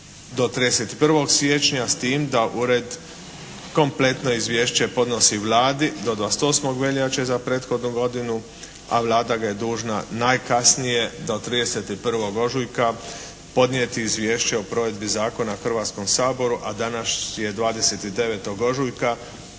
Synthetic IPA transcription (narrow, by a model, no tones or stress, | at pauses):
d̪o̞t̪ɾiːd̪e̞set̪i̥pr̩ʋo̞ɡsjet͡ʃɲast̪iːmd̪aʔuɾed̪ | ko̞mple̞t̪no̞izʋje̞ːʃt͡ɕe̞po̞d̪no̞siʋlaːd̪id̪od̪ʋaːset̪o̞ːsmo̞ɡʋe̞ʎat͡ɕezapɾeːt̪xo̞d̪nuɡo̞d̪inu | a̰ʋlˠaːd̪aɡaje̞d̪uːʒna̰najkasnije̞d̪ot̪ɾiːd̪eset̪ipr̩ʋo̞ɡo̞ʒujka | po̞d̪njet̪iːzʋjeːʃt͡ɕeopɾo̞ːʋe̞d̪bizaːko̞naxr̩ʋaːt̪sko̞msaːbo̞ɾuʔad̪anaʃje̞d̪ʋaːd̪e̞se̞t̪id̪e̞ʋeːt̪o̞ɡo̞ʒujka